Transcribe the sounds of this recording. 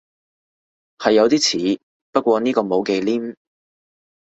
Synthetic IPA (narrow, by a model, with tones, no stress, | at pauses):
hɐ˨jːɐ˨˧wt̪iː˥t͡sʰiː˨˥ | pɐ˥kʷwɔː˧niː˥kɔː˧mo˨˧wke˧jliː˥m